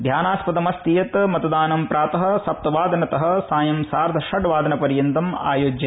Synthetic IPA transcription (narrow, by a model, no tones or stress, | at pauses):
d̪ʱjaːnaːspɐd̪ɐmɐst̪ijɐt̪mɐt̪ɐd̪aːnɐmpɾaːt̪ɐɦɐ̆sɐp̚t̪ɐʋaːd̪ɐnɐt̪ɐɦɐ̆saːjɐmsaːɾd̪ʱɐʂɐʈʋaːd̪ɐnɐpɐɾjɐnt̪ɐma̰ːjoːd͡ʒjɐ